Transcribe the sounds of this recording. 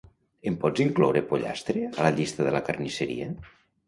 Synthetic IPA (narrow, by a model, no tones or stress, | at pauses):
empɔd͡ziŋklɔwɾepoʎa̰st̪ɾeəlaʎist̪əðelakarniseɾḭə